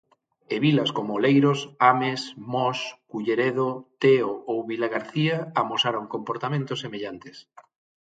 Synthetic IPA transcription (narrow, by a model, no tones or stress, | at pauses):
eβilɐskomolejɾosamesmɔskuʎeɾeðot̪eoowβilaɣaɾθiaamosaɾoŋkompoɾt̪amẽnt̪osːemeʎant̪e̥s